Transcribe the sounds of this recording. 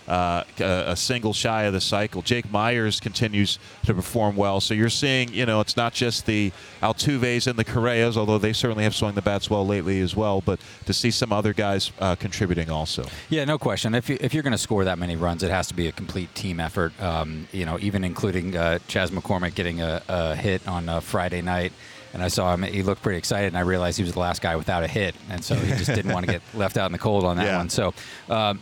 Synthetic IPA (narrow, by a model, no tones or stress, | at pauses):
ʔɨə̰sɪ̃ŋɡl̩ˠʃaɪɨðɨsaɪkl̩ˠd͡ʒeɪk̚maɪə˞z̥kʰɨ̃n̩tʰɪ̃njʉz̥ | tʰɨpʰə˞fɔɹmwɛlˠsoʊjə˞siɪ̃ŋjɨñoʊɨtsnət̚d̥ʒ̥ʌst̪̚ði | ʔalˠtʰʉveɪzɨ̃nðɨkʰə˞eɪɨzɔlˠðoʊðeɪv̥sɜ˞ʔn̩liɨv̥swʌ̃ŋðɨbætswɛlˠleɪʔˡliɨzwɛlˠbʌt̚ | tʰɨsisʌ̃mʌðə˞ɡaɪz̥ʌkʰn̩tʰɹ̥ɪbjʉɾɪ̃ŋɔlˠso̰ʊjænoʊkʰw̥ɛst͡ʃɨ̃nɨfjɨʔɨfjə˞ɡʌnɨskɔɹðət̚mɛniɹʌ̃nzɨt̚hæstəbiɨkʰm̩pʰl̥itʰĩmɛfə˞t̚ʌ̃mjɨñoʊʔivɨ̃nɨ̃nkʰl̥ʉɾɪ̃ŋʌ̥d͡ʒ̥æzməkʰɔɹmɨɡ̥ɛɾɪ̃ŋɨːhɪɾn̩ʌfɹaɪɾeɪnaɪt | ɨ̃naɪsɔɨ̃mhilʊk̚pʰɹ̥ɪɾiɨksaɪɾɨdɨ̃naɪɹiɨlaɪz̥hiwʌzðəlæst̚ɡ̥aɪwɨθaʊɾɨhɪɾɨ̃nsoʊid͡ʒʌsdɪdⁿn̩ʔwɑ̃ñɨɡɛt̚lɛftaʊɾn̩ðɨkʰoʊlˠdn̩ðɨjtæwʌ̃nsoʊʔʌ